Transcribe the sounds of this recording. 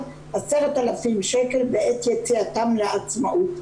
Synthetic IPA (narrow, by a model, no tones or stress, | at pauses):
haseʁat̪alafimʃekelbeʔet̪jet͡siatamleat͡smaʔut